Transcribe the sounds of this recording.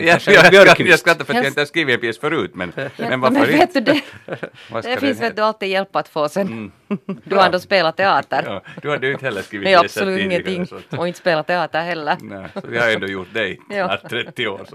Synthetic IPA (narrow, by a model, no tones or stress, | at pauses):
jɑ | jɑskɾat̪ːafœɾtjhɪnt̪əhaskiːʋɪɛpʰjeːsfœɾʉːt̪mɛ̰nmɛnvamɛveːt̪d̪ʉd̪ɛ | aæfɪnseːt̪̚d̪ɵalt̪iːd̪jɛlpːat̪foːsɛn | d̪ʉhaɾɛnd̪oːspeːlat̪ʰɛɑːt̪əɾd̪ɵhadɛjʉɪnt̪hɛlːəskiːʋɪasɔlʉːt̪ɪŋːəntt̪ʰɪŋːɔɪnt̪əspeːlat̪ʰːɛɑːt̪əɾhɛlːəɾnɛɔjɑhaɛnd̪oːjʊɾt̪̚d̪ɛɪt̪ɑːɾɛt̪ːɪo̰ː